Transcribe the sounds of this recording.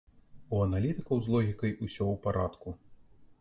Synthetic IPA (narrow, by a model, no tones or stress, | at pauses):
uɐnalʲit̪ɨkɐwzlˠɔɣʲikɐjʔusʲɔwpaɾʔat̪ku